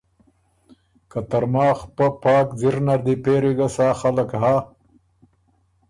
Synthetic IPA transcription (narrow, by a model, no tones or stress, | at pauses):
kat̪aɾmaːxpapɑːkziɾnaɾd̪ipeːɾiɡasaːxalɐkɦa